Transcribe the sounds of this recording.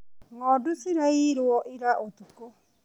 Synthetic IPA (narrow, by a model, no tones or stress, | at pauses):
ŋɔdusɪɾajiɾwɔʔiɾaʔot̪uko